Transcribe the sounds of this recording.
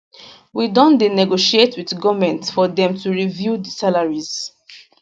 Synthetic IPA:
widɔ̃ndenɛɡoʃietʰwiθɡɔvmɛ̃ntsfɔðɛ̃mtʰuɹivjudəsalaɹiz̥

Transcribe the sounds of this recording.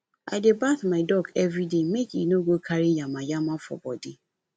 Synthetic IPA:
a̰ɪdɪbaθmaɪdɔɡɛvɾidemekinoɡokʰaɾijãmãjamãfɔ̰bɔ̰dɪ

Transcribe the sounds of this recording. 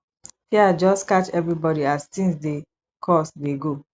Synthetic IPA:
fiad͡ʒɔstkat͡ʃɛvɹibɔɾiastĩnsde | kʰɔsdeɡo

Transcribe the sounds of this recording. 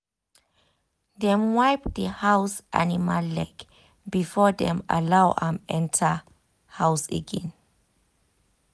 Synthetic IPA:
dɛ̃mwajp̚dəhawsʔa̰nimalːɛɡ | bifɔdɛ̃ma̰lawʔã̰mɛ̃ntʰa | hawsɛ̰ɡɛ̃n

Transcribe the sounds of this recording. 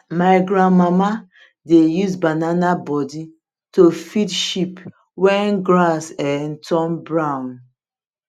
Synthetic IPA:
maɪɡɾãnmama | dejusbananabɔdi | tofidʃip | wɛ̃nɡɹasɛ̃ntɔ̃mbɹaʊ̃n

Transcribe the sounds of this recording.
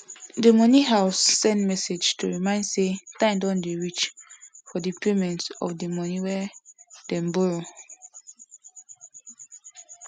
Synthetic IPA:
demɔniɦaʊsːɛ̃ntmɛsed͡ʒtʰuɹimãɪ̃ndsetãɪ̃ndɔ̃ndeɹit͡ʃfɔdəpʰemɛ̃ntɔ̰fdəmɔniwɛdɛ̃mboɹo

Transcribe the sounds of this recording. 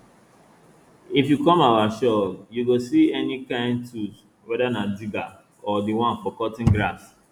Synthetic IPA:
ifjukɔ̃mawaʃɔljuɡosiɛnikãɪ̃ntus | wɛdanadiɡa | ɔdiwãnk͡pɔkɔtɪ̃ŋɡɾas

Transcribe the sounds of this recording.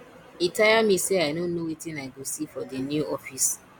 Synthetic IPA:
itajamĩseaɪnonowitĩnaɪɡosifɔdenjuɔfis

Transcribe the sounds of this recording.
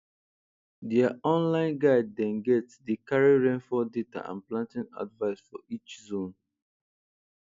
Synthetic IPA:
diaɔ̃nlãɪ̃nɡaɪdːɛ̃nɡɛtsdikaɹiɹɛ̃nfɔdeta̰ã̰nplãntĩna̰dvaɪsfɔ̰it͡ʃzõn

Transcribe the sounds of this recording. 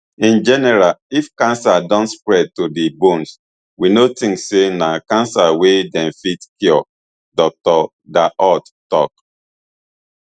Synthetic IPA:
ĩnd͡ʒɛnɛɾalifkãnsadɔ̃ntspɹɛd̚todibũns | winotĩŋssenakãnsawedɛ̃nfitkiɔ | dɔk̚tɔ | daʔɔt | tɔk

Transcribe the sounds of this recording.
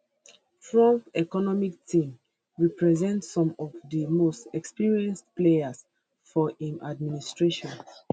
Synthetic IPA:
fɹɔ̃mɛkɔnɔmik̚tʰĩm | ɹipɹɛzɛ̃ntsɔ̃mɔvdəmostɛkspiɹiɛ̃nstpleas | fɔʔĩmʔad̚ministɹeʃɔ̃n

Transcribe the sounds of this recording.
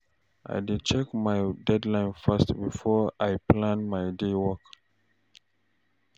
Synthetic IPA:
ʔa̰jdit͡ʃɛkmajdɛdlãɪ̃nfastbifɔajplãnmajdewɔk

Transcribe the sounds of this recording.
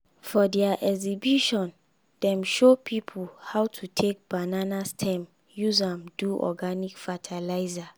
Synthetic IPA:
fɔdɛaʔɛɡzibjuʃɔ̃n | d̥ɛ̃mʃopʰipʰulhawtʰutʰek̚b̥ananastʰɛ̃m | juzãmduʔɔ̰ɡanikfatʰalaɪza

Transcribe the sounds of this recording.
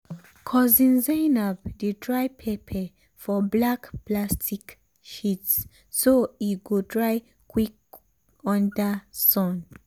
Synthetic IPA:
kʰɔzĩnzajnabditɹajpʰepʰɛ | fɔblakplastik | ʃitsː | oitɡodɹaj | kʰwik̚ | ɔ̃ndasɔ̃n

